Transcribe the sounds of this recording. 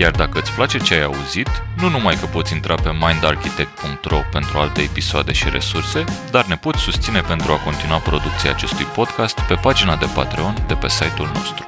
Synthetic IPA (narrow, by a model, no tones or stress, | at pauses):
jard̪akəɨt̪sʲplat͡ʃe̞t͡ʃeajauzit̪nunumajkəpo̞t̪sʲint̪ɾʔape̞majnd̪arkit̪e̞k̚t̪̚puŋk̚t̪ro̞pe̞nt̪ɾualt̪e̞episoa̰d̪e̞̰ʃiɾe̞̰surse̞d̪arne̞po̞t̪sʲsust̪sine̞pe̞nt̪ɾuako̞nt̪inuapɾo̞d̪uk̚t̪sia̰ːt͡ʃe̞st̪ṵjpo̞d̪kast̪pe̞pad͡ʒinad̪e̞pa̰t̪ɾio̞nd̪e̞pe̞sajt̪ulno̞st̪ɾu̥